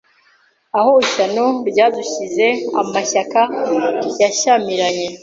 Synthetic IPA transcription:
aho̞iʃano̞ɾɟaːzuçize̞a̰maʃakajaʃamiɾaɲe̞

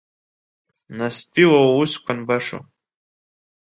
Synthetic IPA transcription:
naspʼiwawuskʷʰanbaʂo̰

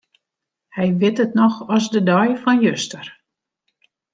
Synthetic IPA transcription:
hɛjʋɪtətnɔxɔzdədɔjfɔnjøstər

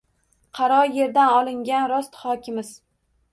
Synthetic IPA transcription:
qʰɑɾɒje̞ɾd̪anɒlˠɪŋɡʲanɾɒst̪hɒkʲʰɪmɪz

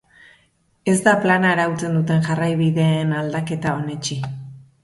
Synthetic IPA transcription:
e̞zd̪aplanaeɾawt͡se̞nd̪ut̪e̞nʝarajβiðe̞ːnald̪ake̞t̪ao̞ne̞t͡ʃi

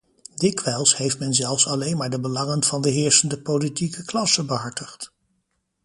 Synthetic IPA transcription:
dɪkʋɛlˠshejftmɛnzɛlˠfsɑlejnmaːɹdəbəlɑŋənvɑndəɦɪːɹsəndəpolitikəklɑsəbəɦɑɹtəχt

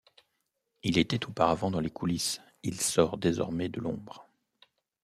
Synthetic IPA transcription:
ilet̪ɛt̪opaʁavɑ̃d̪ɑ̃lekʰulis | ilsɔʁd̪ezɔ̰ʁmɛd̪əlɔ̰̃bʁ

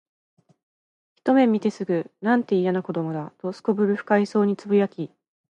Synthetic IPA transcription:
çi̥t̪o̞me̞mʲit̪e̞sɨɡɯ̟nãnt̪e̞ijanako̞d̪o̞mo̞d̪at̪o̞sɨ̥ko̞bɯ̟ɾɯ̟ɸɯ̟̥kaiso̞ːɲ̟it͡sɨbɯ̟jakʲi

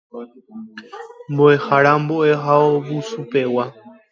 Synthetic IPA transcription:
mboe̞haɾamboʔe̞ɦaoβusupe̞wa

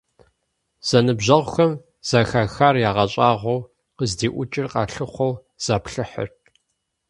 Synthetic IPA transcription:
z̥ɐnɨbʑɐʁʷʊxɐm | z̥axaxaːrjaːʁɐɕʼaːʁʷow | qəzdiːʔʷʊt͡ʃʼɪrqɑːɬɨχʷow | z̥aːpɬɨħə̰rtʰʼ

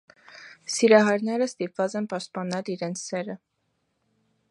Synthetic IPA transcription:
siɾɑɦɑɾnɛɾəst̪ipvɑt͡sɛnpɑʃt̪̚pɑnɛliɾɛnt͡sʰsɛɾə

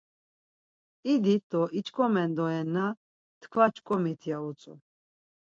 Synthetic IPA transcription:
id̪it̪ɔʔit͡ʃʰkʰɔmɛnd̪ɔɛnːa | t̪kʰvat͡ʃʰkʼɔmit̪ʰjaut͡sʼṵ

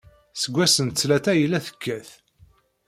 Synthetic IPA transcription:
səɡʷːæsənt̪t͡sːlæt̪æjəlːæθə̥kːæθ

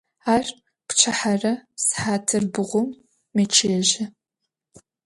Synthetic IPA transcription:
aːr | qʷt͡ʃʰɐħarɐsħaːtʰɨrbɨʁʷʊmː | ɐt͡ʃʰeːʑɐ

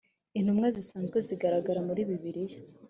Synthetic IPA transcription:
in̥humŋezisaːnzɡweziɡaɾaɡaɾamuɾiːβiβiɾija

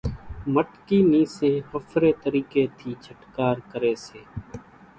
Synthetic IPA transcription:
məʈkiːniːsẽːhəfʰɾeːt̪əɾiːkeːt̪ʰiːt͡ʃʰəʈkaːɾkəɾeːseː

